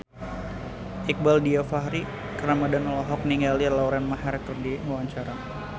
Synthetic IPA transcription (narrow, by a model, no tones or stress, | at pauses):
ik̚baldiafaɦɾi | kəɾamadanɔlɔɦɔk̚niŋɡalirlauɾanmahaɾak̚t̪ɔrdiwaɲt͡ʃaɾa